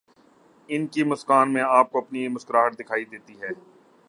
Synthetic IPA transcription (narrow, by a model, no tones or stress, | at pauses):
ɪnkimʊskaːnmẽaːp̚koɐpnimʊskɾaːɦəʈ̚d̪ɪkʰaːid̪eːt̪iɦɛː